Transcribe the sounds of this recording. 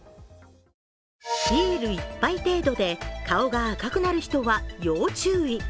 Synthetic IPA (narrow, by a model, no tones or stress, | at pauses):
çieɾɯ̟ipːait̪e̞ːd̪o̞d̪e̞kao̞ɡaːkakɯ̟naɾɯ̟çi̥t̪o̞βajo̞ːt͡ɕɨːi